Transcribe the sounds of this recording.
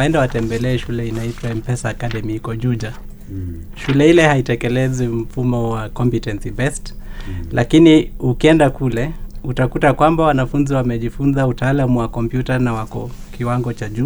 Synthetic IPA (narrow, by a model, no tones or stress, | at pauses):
ɛndawatɛmbɛlɛːʃulɛinaitwaɛmpɛsaːkaɗɛmiikɔʄuʄa | ʃulɛhilɛhaitɛkɛlɛzim̩fumɔwakɔmpitɛnsibɛstlʔakiniukiɛndakulɛutakutakwambawanafunziwamɛʄifunzautaːlamuwakɔmpjutanawakɔkiwaŋɡɔt͡ʃaʄu